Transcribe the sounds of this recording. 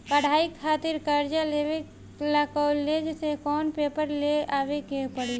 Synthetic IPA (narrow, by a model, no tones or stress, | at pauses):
pəɽ̤aːikʰaːt̪ɪɾkəɾd͡ʒalewe | lakɔled͡ʒsekɔːnpepəɾleaːʋekepəɽi